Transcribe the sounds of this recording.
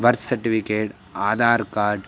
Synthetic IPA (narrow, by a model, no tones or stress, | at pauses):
ʋɐɾt̪sɐɾʈifikeːʈ | aːd̪aːɾkaːɾɖ